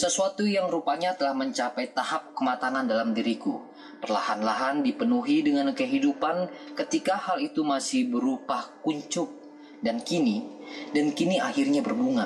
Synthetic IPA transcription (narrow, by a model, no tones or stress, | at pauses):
səsuat̪ujaŋɾupaɲat̪əlahməɲt͡ʃapajt̪ahap̚kəmat̪anandalamdiɾiku | pərla̰hanlaɦandipənuɦidəŋankəɦidupankət̪ikahalit̪umasɪhbəɾupahkuɲt͡ʃʊk̚ | dankinidankiniahirɲabərbuŋa